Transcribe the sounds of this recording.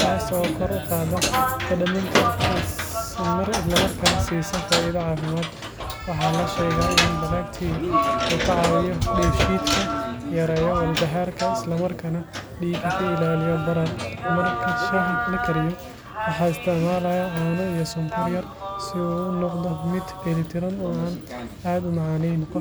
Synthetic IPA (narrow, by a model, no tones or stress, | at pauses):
t̪ʰaːsɔːkʰɔɾʊqɑːðɐfɐɖɐmɐŋkʰɐ | mɐrɪslɐmɐrkʰɐnɐsiːsɐnfaːɪðɐʕɑːfɪmaːd̪ | wɑħɑːlɐʃɛːɣaːɪɪndɐɣaːkt̪ʰiːɣuːkʰɐʕɑːwɪjɔɖɛːʃiːt̪kʰɐjɐɾɛːjɔwɐld̪ɐɦaːrkʰɐɪslɐmɐrkʰɐnɐɖiːkʰɐkʰʊɪlaːlɪjɐd̪ɐɾɐrmɐrkʰɐʃɐlɐkʰɐɾɪjɔ | wɑħɑːɪst̪ʰɐʕmaːlɐjɐʕɔːnɔijɔsʊŋkʰɐrjɐr | sɪnɔqd̪ɔmɪd̪bɛlɪt̪ʰɪɾɐnʊaːn | aːd̪ʊmɑʕɑːnɛjnkʰʊ